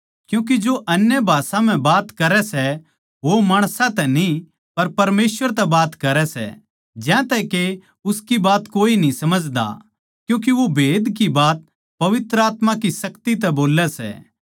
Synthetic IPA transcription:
kjũːk̬ed͡ʒoʔɐnjəbʱaːsãm̤ɛ̃baːt̪kɐɾɛsɛ | ʋomaːɽ̃sãt̪ɛni | pɐɾpɐɾmeːsʋəɾt̪ɛbaːt̪kɐɾɛsɛ̰ | d͡ʒɛ̃t̪ɛke | ʊskibaːt̪koːinĩsɐməd͡ʒd̪a̰ | kjũːk̬eʋobʱeːd̪k̬ibaːt̪̚ | pɐʋɪt̪ɾəaːt̪mãkisɐkt̪it̪̬ɛboːlɛsɛ̰

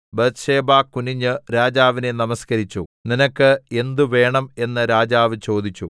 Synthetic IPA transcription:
bɐt̪ʂe̞ːbaːkuniɲːɨɾaːd͡ʑaːʋine̞nɐmɐskɐɾit͡ɕːuninɐkːɨe̞nd̪uʋe̞ːɳɐme̞nːɨɾaːd͡ʑaːʋɨt͡ɕo̞ːd̪it͡ɕːu

